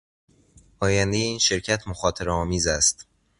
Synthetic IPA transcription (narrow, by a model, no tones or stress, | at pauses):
ʔɒːjænd̪e̞jeiːnʃe̞ɾcʰæt̪ʰmoxɒːt̪ʰeɾeɒːmiːzæst̪